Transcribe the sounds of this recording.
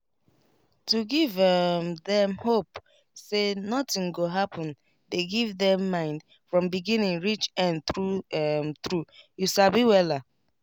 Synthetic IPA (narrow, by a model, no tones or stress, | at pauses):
tuɡivmðɛ̃mhop | senɔtĩŋɡoɦapɔ̃n | deɡivðɛ̃mːãɪ̃nd | fɹɔ̃mbiɡĩnĩŋɹit͡ʃɛ̃ntɾumtɾujuʃabiwɛla